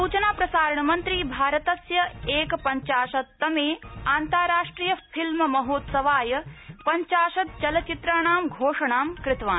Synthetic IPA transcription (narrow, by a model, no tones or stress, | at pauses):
uːt͡ʃɐnaːpɾɐsaːɾɐɳɐmɐnt̪ɾiːbʱaːɾɐt̪ɐsjɐeːkɐpɐɲt͡ʃaːʃɐt̪ːɐmeːaːnt̪aɾaːʂʈɾiːjɐpʰilmɐmɐɦoːt̪sɐʋaːjɐpɐɲt͡ʃaːʃɐt̪̚t͡ʃɐlɐt͡ʃit̪ɾaːɳaːmɡʱoːʂɐɳaːmkɾɪt̪ʋaː